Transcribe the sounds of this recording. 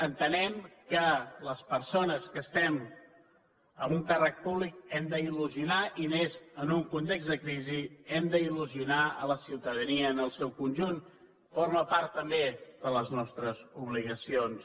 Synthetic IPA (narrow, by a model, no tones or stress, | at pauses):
ənt̪ənɛmkələspəɾsonəskəst̪ɛm | əmuŋkarək̚puβlik̚ɛmd̪əiluziunaʔinezənuŋkunt̪eɡzd̪əkɾiziɛmd̪əiluziunaə̰ləsiwt̪əðəniəːnəlˠsɛwkunʲʒun | foɾməpaɾt̪ːəmbeðələznɔst̪ɾəzuβliɣ̞əsions